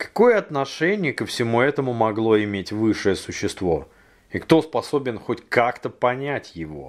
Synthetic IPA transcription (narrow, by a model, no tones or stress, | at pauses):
kɐ̥ko̞jəɐt̪nɐʂɛnʲɪjəkəfsʲɪmuɛt̪əmʊmɐɡlˠo̞ɪmʲetʲvɨʂɨjəsʊɕːɪst̪vo̞̰ | ɪkt̪o̞spɐso̞bʲɪnxotʲkakt̪əpɐnʲætʲjɪvo̞̰